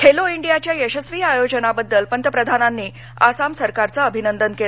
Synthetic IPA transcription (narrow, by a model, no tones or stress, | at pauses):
kʰeloiɳɖijat͡ɕjajəɕəsʋiːajod͡ʑənabəd̪ːəlpənt̪əpɾəd̪ʱananːiː | a̰samsəɾkaɾt͡saəbʱinənd̪ənkel